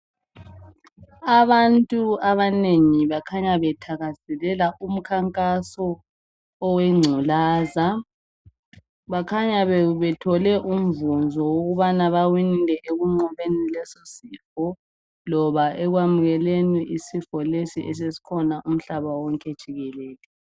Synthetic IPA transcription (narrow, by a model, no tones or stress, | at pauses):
aβantʼuaβaneŋiβakʰaɲaβɛtʰaɣazɛlɛlaʔum̩kʰaŋkʼasɔ | ɔwɛŋ͡ǀʱulaːza | βakʰaɲaβɛβɛtʰɔlɛʔum̩vund͡zʱɔwoɣuβanaβawinilʱɛʔeɣuŋ͡ǀɔβenilɛsɔsifɔ | lɔβaʔɛɣwamuɣɛleniʔisifɔlesiʔɛs̬esi̥kʰɔnaʔum̩ɬaβawɔŋkʼɛd̥ʒ̥ʱiɣɛlɛːlɛ